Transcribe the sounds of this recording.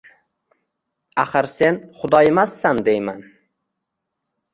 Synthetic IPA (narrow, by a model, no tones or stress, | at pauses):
aχɨɾse̞nχʊd̪ɒjemasːand̪ejman